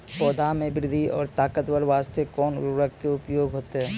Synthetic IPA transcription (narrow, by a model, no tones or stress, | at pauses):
pɔːd̪ʱamẽbɾɪd̪ʱiɔːɾt̪aːkət̪wəɾʋaːst̪ekɔːnɾəkkːeʊpjoːɡʱɦoːt̪eɦɛː